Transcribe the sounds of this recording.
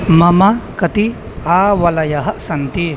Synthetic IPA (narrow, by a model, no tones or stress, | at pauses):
mɐmɐkɐt̪i | aːʋɐlɐjɐɦɐsɐnt̪i